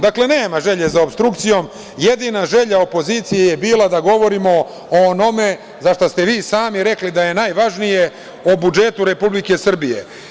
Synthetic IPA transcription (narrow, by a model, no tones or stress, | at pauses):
d̪akle̞neːmaʒe̞ʎe̞zaobst̪ɾukt̪sijo̞m | jed̪inaʒe̞ʎao̞po̞ziːt̪sijijebiːlˠad̪aɡo̞ʋo̞ɾimo̞ | ono̞me̞ | zaʃt̪ost̪e̞ʋiːsaːmiɾe̞klid̪aje̞najʋaʒnije̞ | obud͡ʒe̞t̪uɾe̞publike̞sr̩bijḛ